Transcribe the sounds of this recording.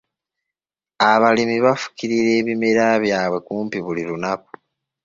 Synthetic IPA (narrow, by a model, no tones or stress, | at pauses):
aβalimiβafu̥ciɾiɾe̞ːβime̞ɾaβjaːβwe̞kuːmpiβuliɾunaku̥